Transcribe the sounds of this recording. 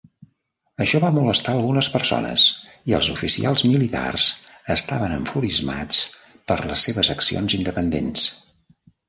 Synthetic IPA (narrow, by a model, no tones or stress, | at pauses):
əʃɔβamuləst̪aəlˠɣunəspərso̰nə̰z | iə̰lˠzufisḭʔalˠzmilit̪a̰rzəst̪aβənəɱfuɾizma̰t͡s | pəɾləsːeβəzəksio̰nzind̪əpənd̪ens